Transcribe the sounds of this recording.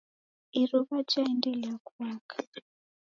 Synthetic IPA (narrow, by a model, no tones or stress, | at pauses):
iroβat͡ʃaendelakuβaːkḁ